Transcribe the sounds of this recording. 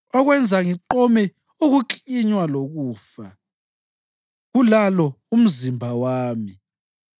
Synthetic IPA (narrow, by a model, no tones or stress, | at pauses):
ɔɣwɛnd͡zʱaŋiǃɔmɛ | uɣuǃiɲwaloɣuːfa | ɣulalɔ | um̩zimbʱawaːmi